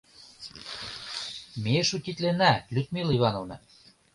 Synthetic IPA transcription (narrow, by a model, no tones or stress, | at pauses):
meʃut̪ʲit̪lenælʲyt̪̚milivɑnovnɤ